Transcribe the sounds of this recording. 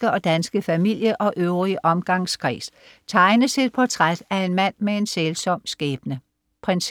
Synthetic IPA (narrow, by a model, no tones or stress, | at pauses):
əɒ̽d̥ænsɡ̥əfæmil̰jəʔɒ̽ʔøʊʁiəʔɒ̽mɡ̥ɑ̈ŋskʰʁḭːs | t͡sʰɑ̈ɪnəsed̥̚pʰɒt͡sʰʁad̥æe̝nmæn̰mee̝nselsɒ̽m̰sɡ̥ɛːb̥nə | pʰʁɛns